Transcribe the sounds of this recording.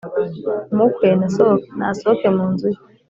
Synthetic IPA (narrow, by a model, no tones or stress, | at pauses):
mukʰweːnasokna̰sokemuːnzuji